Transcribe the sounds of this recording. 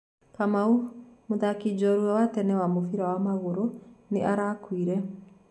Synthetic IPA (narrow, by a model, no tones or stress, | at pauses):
kamaumoðakid͡ʑɔɾwɛwatɛnɛwamofiɾawamaɣoɾoneʔaɾaːkwiɾɛ